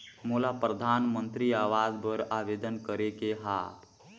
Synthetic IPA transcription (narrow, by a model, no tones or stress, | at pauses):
mulapɾəd̪ʱaːnmənt̪ɾiaːʋaːd͡ʒbəɾaʋeːd̪ənkəɾekeɦa